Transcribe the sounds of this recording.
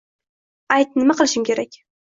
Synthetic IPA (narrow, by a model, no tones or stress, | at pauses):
ajt̪̚nɪmaqʰɨlˠɪʃɪmkʲʰe̞ɾakʲ